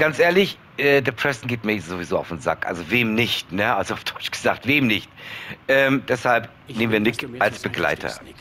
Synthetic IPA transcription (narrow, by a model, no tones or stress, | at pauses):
ɡ̥ant͡sʔeːɐlɪç | ʔɛːdeːɐpʰʁ̥ɛsn̩ɡeːtmɛzovizoːa̰ʊfnza̰kʔa̰lzoveːmnɪçtnəʔalzoaʊfd̥ɔʏt͡ʃɡ̥əza̰ːχk̚tv̥eːmnɪçtʔɛːmd̥ɛshalp | neːmən̩viːɐnɪkʔalsb̥əɡla̰ɪtʰɐ̰